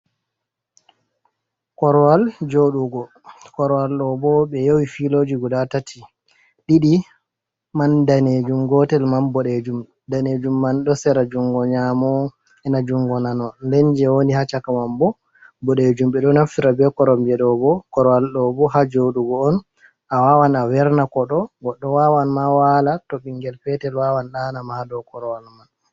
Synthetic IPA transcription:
kɔɾɔwald͡ʒoɗuɡɔ | kɔɾɔwalɗɔbɔɓɛjowifilod͡ʒiɡudatatʰi | ɗiɗi | mandaned͡ʒumɡɔtɛlmanbɔɗed͡ʒum | daned͡ʒumːanɗɔsɛɾad͡ʒuŋɡɔɲamɔ | ɛnad͡ʒuŋɡɔnanɔnlɛɲd͡ʒɛwonihat͡ʃakamambɔ | bɔɗed͡ʒumɓɛɗɔnafiɾabɛkɔɾɔmd͡ʒɛɗɔbɔkɔɾɔwalɗɔbɔhad͡ʒoɗuɡɔːn | ʔawawanawɛɾnakɔɗɔɡɔɗːɔwawanmawalatɔɓiŋɡɛlfɛtɛlwawanɗanamahadɔkɔɾɔwalman

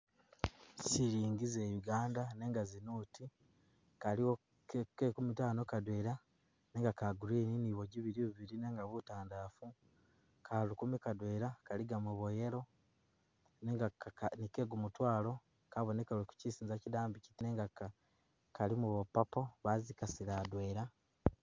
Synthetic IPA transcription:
siɾiːŋɡizejuɡaːndane̞ŋɡazinuːti | kalio | kekumitaːnokadweɾa | neŋɡakaɡuɾeːniniβoɟiβiɾiβuβiɾine̞ŋɡaβutaːndaːfu | kʰalukumikadweːɾakaliɡamuβo̞je̞ɾo̞ | neŋɡanikeːɡumutwaːlo̞ | kaβonekaluku̥cisiːnzacidaːmbici̥tineŋɡaka | kalimuβopapoβazikasiɾadwe̞ːɾa

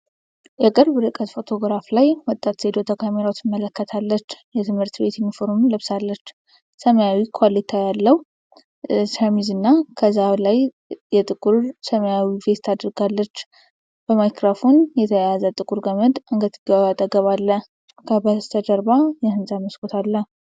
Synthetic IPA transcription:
jɛkʼɨɾbɾɨkʼət̪fo̞t̪ʰo̞ɡɾaflajwɔt̪ʼːat̪sed̪o̞t̪ʰəkʰameɾawt̪ʰɪmːələkːət̪ʰalːət͡ʃːjɛt̪ʰɨmhɨɾt̪be̞t̪jɛmːifoɾumləβsalːət͡ʃː | səməjawikʰalit̪ʰajalːəw | sʰəmizɨnːakʰəzalaj | jɛt̪ʼɨkʼuɾsəməjawivet̪ʰːad̪ɾɡalːət͡ʃː | b̥əmajkɾofonjɛt̪ʰəjazət̪ʼɨkʼuɾɡəməd̪ʔɨŋɡət̪ʰʼɨɡəat̪ʼːəɡəβalːə | kʰəbəst̪ʰəd̪əɾbajɛhɨnzaməskʰʼot̪ʰalːə

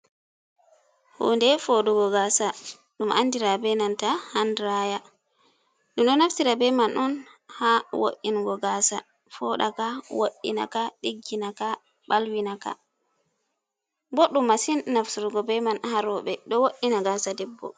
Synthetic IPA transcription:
hṵːndɛfɔdɔɡɔɡasa | ɗumʔanːdiɾabɛnantahandɾaja | ɗumɗɔnafsiɾabɛmanɔnhawo̰ʔːinɡɔɡaːsa | fɔɗa̰kawo̰ʔːḭna̰kaɗiɡːinaka | ɓalwinaka̰ | bɔɗːumːasinːafsuɾɡɔbɛmanhaɾɔɓɛɗɔwoʔːinaɡasadɛbːɔ̰

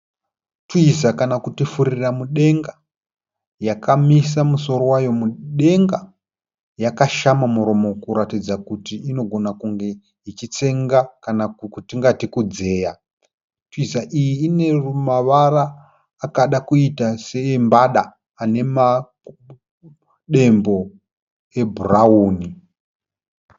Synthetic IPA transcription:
twizakanakutifuɾiramuɗe̞ŋɡa | jakʰamisamuso̞ɾo̞wajo̞muɗe̞ŋɡa | jakaʃamamuɾo̞mo̞kuɾatid͡zakutiino̞ɡʱo̞nakuŋɡe̞ | it͡ʃit͡se̞ŋɡakanakutiŋɡatikud͡ze̞ːja | tizaʔijiːne̞rumaʋaraː | kaɗakuitase̞ːmbaɗaː | ne̞ma | ɗe̞mbo̞ | e̞bʱurauːni

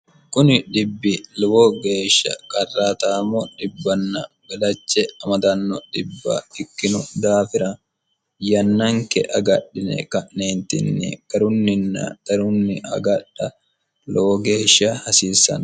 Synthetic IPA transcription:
kʊnɪᶑɪbːɪlɛwoɡe̞ːʃːɐ̰kʼɐrːaːt̪aːmɔᶑɪbːɐnːɐbɐlɐt͡ʃːɛɐmɐd̪ɐnːɔᶑ̪ɪbːɐ̰ɪkːɪnʊd̪aːfɪɾɐ | jɐnːɐŋkɛʔɐɡɐɗɪnɛ̰kɐʔneːnt̪ɪ̰nːɪ̰kʼɐɾʊnːɪnːɐ̰t̪ɐɾʊnːɪʔɐ̰ɡɐᶑɐ | lɔwɔɡe̞ːʃːɐhɐsiːsːɐ̰n

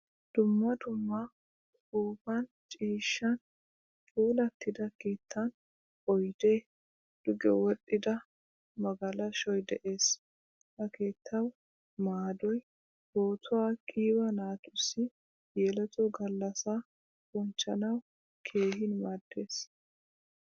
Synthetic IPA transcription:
d̪̥ʊmːɐd̪ʊmːɐ | uːbɐn | t͡ʃʼiːʃːɐn | t͡ʃʼuːlɐt̪ːɪd̪ɐkeːt̪ːɐn | ɔjd̪eː | d̪̥ʊɡɛ̰wɔɗʼːɪd̪ɐ | mɐɡɐlɐʃɔjd̪ɛʔe̞ːs | hɐke̞ːt̪ːɐw | maːd̪ɔj | boːt̪ʊwaːkʼiːbɐnaːt̪ʊsːɪ | jɛlɛt̪ʼɔɡɐlːɐsa | kʊnt͡ʃːɐnɐw | kʰe̞ːhɪnmaːd̪ːe̞ːs

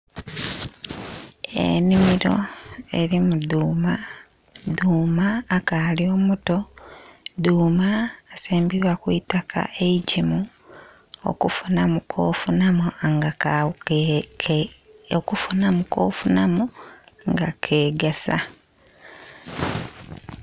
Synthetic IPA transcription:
ḛnimiɾo̞̰e̞ɾimuduːma | duːmaːkalioːmuto | duːmaːseːmbiβwakwitakʰa̰ʔeicimu | o̰kufunamukʰoːfunamoaŋɡa | okufunamuko̰ːfunamoŋɡakʰeːɡesa̰

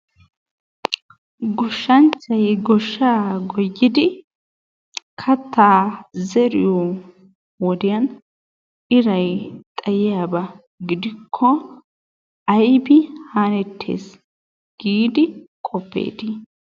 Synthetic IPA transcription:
ɡɔʃːɐnt͡ʃːɐjɡɔʃːaːɡɔjːɪd̪ɪ | kʰɐt̪ʰːaːzɛɾɪ̰jɔ | wɔd̪ɪjɐn | ʔɪɾɐjt̪ʼɐjɪjabɐ | ɡɪd̪ɪkʰːɔ | ɐjbɪhaːnɛt̪ʰːḛːs | ɡ̥iːd̪ɪkʼɔpːḛːd̪ɪ

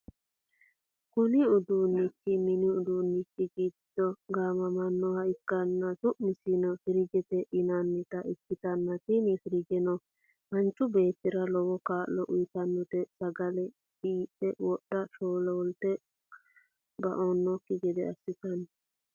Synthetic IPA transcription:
kʊnɪʊd̪uːnːɪkːɪmɪnɪʊd̪uːnːɪkːɪɡiːd̪̥ɔɡaːmɐmɐnːɔɐɪkːɐnːɐsʊʔmɪsinɔfɪɾɪɡɛt̪ɛʔɪnanːɪt̪ɐʔɪkːɪt̪ɐnːɐt̪inifɪɾɪɡɛnɔ | mɐnt͡ʃːʊbe̞ːt̪ːɪɾɐlɔwɔkaːlːɔʔʊjt̪ɐnːɔt̪ɛsɐɡɐlɛ | iːpːɛwɔɗːɐʃoːlɔwɔlt̪ɛ | bɐ̰ʔonːɔkːɪɡɛd̪ɛɐsːɪt̪ɐn

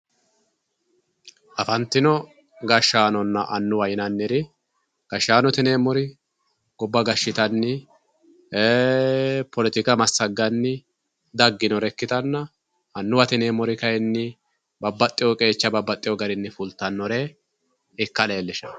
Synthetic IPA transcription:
ʔɐfɐnt̪ːɪnɔ | ɡɐʃːaːnɔnːɐʔɐnːʊwɐjɪnɐnːɪɾɪ | ɡ̥ɐʃːaːnɔt̪ɪneːmɔɾɪ | ɡ̥ɔbːɐɡɐʃːɪt̪ɐnːɪ | e | pɔlɪt̪ɪkɐmɐsːɐɡːɐnːɪ | d̪ɐɡːɪnɔɾɛkːɪt̪ɐnːɐ | ɐnːʊwɐt̪ɪneːmɔɾɪkɐjɛnːɪ | bɐbːɐt̪ʼːɪjɔkʼe̞ːt͡ʃːɐbɐbːɐt̪ʼːɪjɔɡɐɾɪnːɪfʊlt̪ːɐnːɔɾɛ | ɪkːɐle̞ːlːɪʃɐ̥

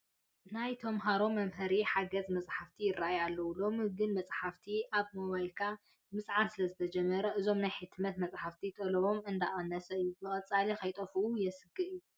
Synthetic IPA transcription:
najt̪ʰomɦaɾo̞mːɐmɦɨɾiħaɡɐzmɐt͡sʼħaft̪ʰijɪrːaʔjalːɐwulo̞mɨhɨɡɨnmɐt͡sʼħaft̪ʰiʔaβmoβajlkʰa | mɨsʼʕansɨlɐzɨt̪ʰɐd͡ʒɛmːɐɾɐʔɨzo̞mnajħɨt̪ʰːmɐt̪mɐt͡sʼħaft̪ʰit̪ʼɐlɐβo̞mɨnd̪aʔanɐsɐɨjːubɨkʼɐt͡sʼalikʰɐjt̪ʼɐfuʔujɛsɨɡɨʔɨjːu

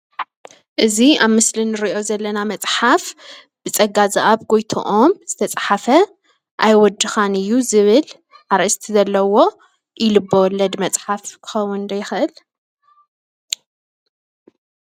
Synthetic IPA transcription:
ʔɨziaβmɨslinɨɾiʔo̞zɐlːɐnamɐt͡sʼħaf | b̥ɨt͡sʼɐɡazaʔaβɡojt̪ʰo̰ʔomz̥ɨt̪ʰɐt͡sʼħafɐ | ʔajwɔd̪ːɨxanɨjːuzɨβɨl | ʔaɾɐst̪ʰizɐlːɐwo̞ | jɪlɨbːowɔlːɐd̪mɐt͡sʼħafkʰɨ̥xɐwʊnnd̪ɐjɪxʔɨl

